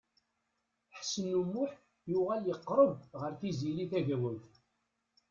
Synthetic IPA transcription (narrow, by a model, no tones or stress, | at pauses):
ħsənumːʊħ | jʊʁæljəqːɾˤəbʁəɾθiziliθæʝæwæθ